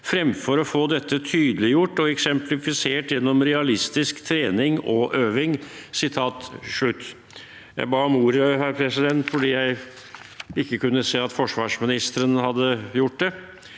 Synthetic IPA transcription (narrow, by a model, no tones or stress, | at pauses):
fɾɛmfɔɾɔfoːd̪ɛt̪ːət̪ʰyːd̪əlɪjʊʈːɔɛksɛmplɪfɪseːʈjɛnːɔmɾɛɑlɪst̪ɪskt̪ʰɾeːnɪŋɔʔøːʋɪŋsɪt̪ʰɑːt̪ʂɭʉt̪ː | jæ̰ɪbɑːɔmuːɾəhæɾpʰɾɛsɪd̪ɛnt̪fɔɖiːjæɪ | ɪkːəkʉnːəseːɑt̪fɔʂʋɑːʂmɪnɪst̪əɾənhɑd̪ːəjʊʈ̚ːd̪ɛ